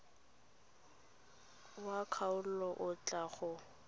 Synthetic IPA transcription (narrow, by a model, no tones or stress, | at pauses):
wakʰaʊllɔʔʊt͡ɬʼaɣʊ